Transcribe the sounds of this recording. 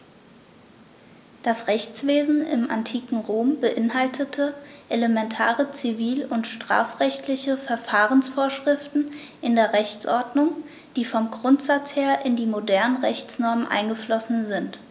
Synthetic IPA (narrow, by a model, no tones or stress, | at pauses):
d̥asʁɛçt͡sv̥eːzn̩ɪ̰mʔa̰ntʰiːkŋ̩ʁoːmbəʔɪnɦaltʰətʰəʔeləmɛntʰaːʁət͡siviːlʊntʃtʁ̥a̰ːfʁ̥ɛçtlɪçəfɛɐfaːʁənsfoːɐʃʁ̥ɪftn̩ | ʔɪndeːɐʁɛçt͡sʔɔɐdnʊŋ | d̥iːfɔmɡʁʊntz̥at͡sheːɐʔɪndiːmodɛɐnənʁɛçt͡snɔɐmənʔa̰ɪnɡəflɔsn̩zɪnt